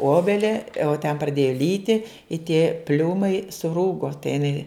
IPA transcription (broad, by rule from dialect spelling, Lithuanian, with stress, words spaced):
ˈoːbʲɛlʲɛ oː tʲɛn prɐˈdʲeːjɛ ˈlʲiːtʲɪ ɪ tʲeː ˈpʲlʲuːmɐɪ sʊˈruːɡoː tɐɪ ɪˈnɐɪ